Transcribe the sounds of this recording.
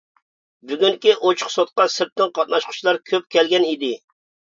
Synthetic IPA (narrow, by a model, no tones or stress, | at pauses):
byɡʲyŋkʲiʔot͡ʃʰʊ̥χsot̪̚qɑsɨɾt̪ːɨnqʰɑt̪̚nɑʃqʰʊ̥t͡ʃʰilˠɑɾkʲʰøp̚kʲɛlɡʲɛnid̪ɪ